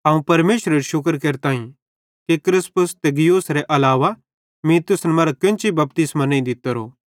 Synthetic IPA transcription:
ɦɐũpɐɾmeːʃɾeɾiʃʊk̬əɾkeɾt̪ãːĩ | kekɾɪspʊst̪eɡijuːsɾɛʔɐlaːʋa | mĩt̪ʊsnɛmɐːɾakɪ̃nt͡ʃibɐp̚t̪ɪsmanẽĩd̪ɪt̪əɾo̰ː

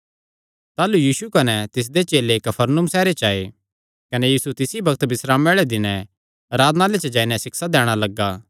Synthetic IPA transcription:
t̪aːlujiːsukɐnɛt̪ɪs̬d̪et͡ʃeːlekɐpʰɐɾnʊmsɛːɾet͡ʃaːe | kɐnejiːsut̪ɪsibɐkʰt̪bɪsɾaːmeːɭed̪ɪnɛ̃ | ɐɾaːd̪naːlet͡ʃɐd͡ʒaːinɛsɪksad̪ɛːɽ̃alɐɡːaː

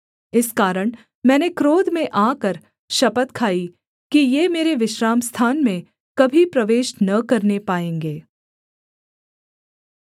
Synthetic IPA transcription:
ɪskaːɾəɽ̃ | mɛ̃ːnekɾoːd̪mẽʔaːkəɾ | ʃɐpət̪kʰaːi | kijeːmeːɾeʋɪʃɾaːmst̪ʰaːnmẽ | kɐbʱipɾɐʋeːʃnɐkɐɾnepaːẽːŋɡeː

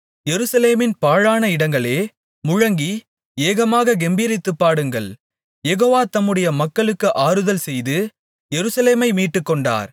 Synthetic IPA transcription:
jɛɾɯsɐleːmɪnpaːɻaːnɐɪɽɐŋɡɐɭeː | mʊɻɐŋɡi | eːɣɐmaːɣɐɡɛmbiːɾɪt̪ːɯpːaːɽɯŋɡɐɭ | jɛɣoːʋaːt̪ɐmːɯɽɐjɐmɐkːɐɭɯkːɯʔaːɾɯðɐlsɛjðɯ | jɛɾɯsɐleːmɐɪmiːʈːɯkːɔɳɖa̰ːɾ

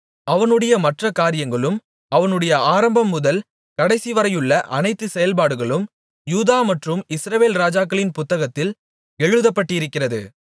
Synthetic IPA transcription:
ɐʋɐnɯɽɐjɐmɐʈrɐkaːɾɪjɐŋɡɐɭɯm | ɐʋɐnɯɽɐjɐaːɾɐmbɐmːʊðɐl | kɐɽɐɪsiʋɐɾɐjɯɭːɐʔɐnɐɪt̪ːɯsɛjɐlpaːɽɯɣɐɭɯm | juːðaːmɐʈrɯmɪsɾɐʋeːlɾaːd͡ʒaːkːɐɭɪnpʊt̪ːɐɣɐt̪ːɪl | ɛɻɯðɐpːɐʈːɪɪɾɯkːɪrɐðɯ̰

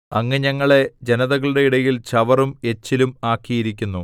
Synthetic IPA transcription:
ɐŋːɐɲɐŋːɐɭe̞d͡ʑenɐðɐɣɐɭuɽe̞iɽɐjilt͡ɕɐʋɐrume̞t͡ɕːilumaːkːijiɾikʲːunːu

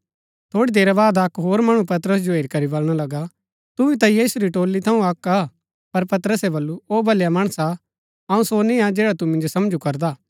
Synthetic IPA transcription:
t̪ʰoːɽid̪eːɾabaːd̪akɦoːɾmɐɽ̃up̬ɐt̪əɾəs̬d͡ʒoeːɾikɐɾibɐlɽ̃alɐɡa | t̪ʊʋit̪̬ɐjiːsuɾiʈoːlːit̪ʰɐũɐka | pɐɾpɐt̪ɾəsebɐlːuoːbʱɐljamɐɽ̃əsa | ɐũsonɪ̃ad͡ʒɛːɽat̪umɪ̃nd͡ʒosɐmd͡ʒukɐɾd̪aː

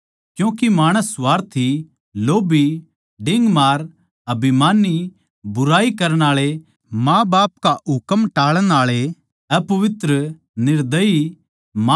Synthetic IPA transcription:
kjũːkimaːɽ̃əsʋaːɾt̪ʰi | loːbi | ɖɪ̃ŋɡmaːɾ | ɐbʱimaːni | bʊɾaːikɐɾəɽ̃aːɭe | mãːbaːpkaʊkəmʈaːɭəɽ̃aːɭe | ɛpɐʋɪt̪ɾə | nɪɾd̪əi | ma

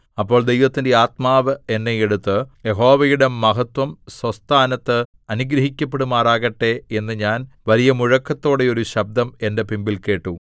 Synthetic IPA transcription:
ɐpːo̞ːɭd̪ejʋɐt̪ːinde̞aːt̪maːʋɨe̞nːeje̞ɽut̪ːɨje̞ɦo̞ːʋɐjuɽe̞mːɐɦɐt̪wɐmswɐst̪ʰaːnɐt̪ːɨ | ɐnuɡɾɐɦikʲːɐpːe̞ɽumaːraːɣɐʈːe̞enːɨɲaːnʋɐlijɐmuɻɐkːɐt̪ːo̞ːɽe̞o̞ɾuɕɐb̚d̪ʱɐme̞nde̞pimbilke̞ːʈːu

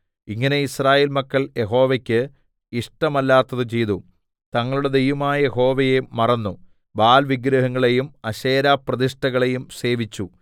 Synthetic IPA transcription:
iŋːɐne̞israːjeːlmɐkːɐɭje̞ɦo̞ːʋɐkʲːɨ | iʂʈɐmɐlːaːt̪ːɐðɨt͡ɕe̞jt̪u | t̪ɐŋːɐɭuɽe̞d̪ejʋumaːjɐjeho̞ːʋɐjemɐrɐnːu | baːlʋiɡɾɐɦɐŋːɐɭe̞jumɐɕeːɾaːprɐðiʂʈɐɣɐɭe̞jumse̞ːʋit͡ɕːu

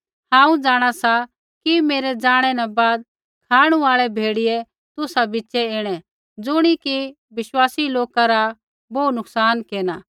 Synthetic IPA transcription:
hãːũd͡zaːɽ̃asa | kimeːɾɛd͡zaːɽ̃ɛnãbaːd̪ | kʰaːɽ̃ũaːɭɛbʱeːɽɪjɛ | t̪ʊsabɪːʃɛeːɽ̃ɛ | d͡zʊɽ̃iki | ʋɪʃwaːsiloːkaɾa | boːnʊksaːnkeːna

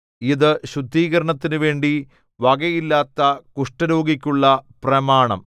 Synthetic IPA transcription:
iðɨɕud̪ʱːiːɣɐɾɐɳɐt̪ːinuʋe̞ːɳɖi | ʋɐɡɐjilːaːt̪ːɐkuʂʈɐɾoːɡikʲːuɭːɐprɐmaːɳɐ̰m

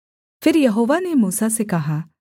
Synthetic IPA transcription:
pʰɪɾjɐɦoːʋanemuːsasekɐɦaː

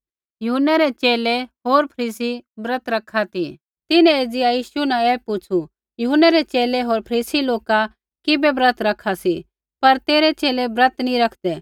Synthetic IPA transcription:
jʊɦʊnːɛɾɛt͡ʃeːleɦoːɾpʰɐɾiːsibɾət̪ɾɐkʰːat̪i | t̪ɪnɛ̃eːd͡zɪjajiːʃunãɛːpʊt͡ʃʰu | jʊɦʊnːɛɾɛt͡ʃeːlɛɦoːɾpʰɐɾiːsiloːka | kɪbɛbɾət̪ɾɐkʰːasi | pɐɾt̪eːɾɛt͡ʃeːlɛbɾət̪nĩɾɐkʰd̪ɛ

